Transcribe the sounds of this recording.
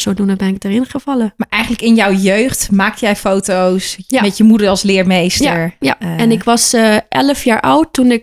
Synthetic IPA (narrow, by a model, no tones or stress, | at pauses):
sodunəbɛnɪk̚dərɪnχəfɑləmaɹʔɛjχəntləkɪnjɔwjøːxtmaːk̚tjɛjfowtowsmɛtjəmudəɹɑlˠslɪːɹmejsttəɹjaɛnɪkʋɑsʔɛləfjaːɹʔɔwtːunɪk